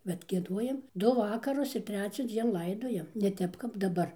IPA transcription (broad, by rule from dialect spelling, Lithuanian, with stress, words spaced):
bʲɛt ɡʲiɛˈduɔjɛm ˈdʊ ˈʋɑːkɐrʊs ɪr ˈtʲrʲæːt͡sʲɛˌd͡zʲiɛn ˈlˠɐɪdoːjɛm nʲɛ ˈtʲɛp kɐp dɐˈbɐr